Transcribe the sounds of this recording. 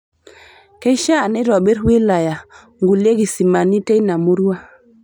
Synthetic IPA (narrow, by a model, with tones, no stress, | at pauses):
ke˦ʃa˦˨ne˦ɾo˨ɓe˦ɾwi˦la˨ja˨ | ŋɡu˨le˦ɡi˨si˨ma˨ni˦te˦na˨mu˦ɾu˦wa˦